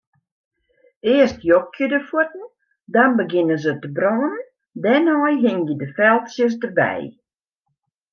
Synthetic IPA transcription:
ɪəstjok̚jədəfuətn̩ | danbəɡɪnəzətəbrɔːnən | dɛnɔjɦɪŋjədəfɛlˠtsjəs̬dərbɛ̰j

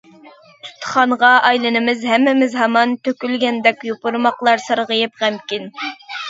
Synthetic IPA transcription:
t̪ʰu̥t̪ʰːə̥χɑɴʁɑʔɑjlˠɨnɨmɪzhɛmːɪmɪzɦɑmɑnt̪ʰøkʲylɡʲɛnd̪ɛkʲjopuɾmɑqlˠɑɾsɑɾʁəjɨp̚ʁæmkʲin

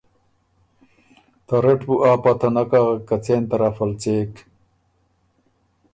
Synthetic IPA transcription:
t̪ɐɾeʈbuʔaːpat̪ʰɐnɐkaɣɐkːɐt͡seːnt̪ɐɾafɐlt͡seːk

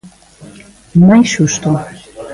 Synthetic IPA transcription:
nɑjʃuʃt̪o

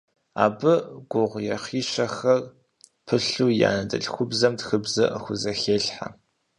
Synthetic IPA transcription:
a̰ːbɨɡʷʊʁʷjɛχiːʃɐxɐr | pʰɨɬuːja̰ːnɐdɨ̰ɬxʷʊbzɐmtxɨbzɐʔəxʷʊzɐxeːɬħa̰

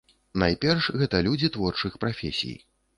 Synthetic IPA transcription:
najpʲɛrʂɣɛt̪ɐlʲud͡zʲit̪vɔrt͡ʂɨxpɾafʲḛsʲḭj

